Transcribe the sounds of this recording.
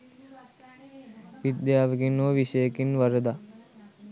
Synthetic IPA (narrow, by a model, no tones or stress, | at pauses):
ʋid̪jaːʋəɡinoʋiʃəjəkinʋɐɾəd̪a